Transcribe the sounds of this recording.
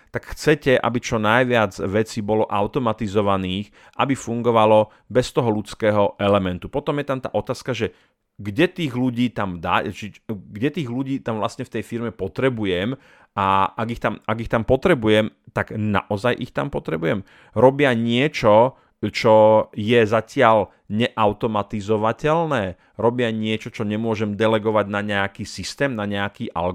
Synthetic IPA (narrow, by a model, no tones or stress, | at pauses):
t̪akxt͡sɛcɛʔa̰bit͡ʃɔnajʋɪad͡zʋɛt͡sibɔlɔʔaʊt̪ɔmat̪izɔʋaniːx | ʔa̰bifuŋɡɔʋalɔ | bɛst̪ɔɦɔlut͡skɛːɦɔʔɛlɛmɛnt̪upɔt̪ɔmjɛt̪amt̪a̰ːʔɔt̪aːskaʒɛ | ɡɟɛt̪iːɣluɟiːt̪amd̪a̰t͡ʃiɡɟɛt̪iːɣluɟiːt̪amʋlastɲɛft̪ɛjfiɾmɛpɔt̪ɾɛbujɛm | aaɡixt̪amaɡixt̪ampɔt̪ɾɛbujɛmt̪aɡna̰ʔɔzajʔixt̪ampɔt̪ɾɛbujɛm | ɾɔbɪaɲɪɛt͡ʃɔ | t͡ʃɔjɛzacɪal | ɲɛʔaʊt̪ɔmat̪izɔʋacɛlnɛː | ɾɔbɪaɲɪɛt͡ʃɔt͡ʃɔɲɛmʊɔʒɛmd̪ɛlɛɡɔʋaɟnaɲɛakiːsist̪ɛːmnaɲɛakiːʔa̰l